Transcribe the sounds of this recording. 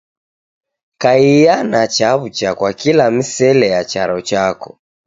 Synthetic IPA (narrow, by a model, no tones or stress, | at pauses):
kaijanat͡ʃaβut͡ʃakwakilamisɛlɛjat͡ʃaɾɔt͡ʃakɔ